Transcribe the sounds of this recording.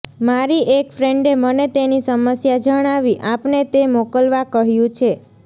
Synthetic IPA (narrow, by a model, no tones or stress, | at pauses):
maɾiʔekfɾeɳɖemənet̪enisəməsjad͡ʒəɽ̃aʋiʔãpnet̪emokəlʋakəɦjũt͡ʃʰe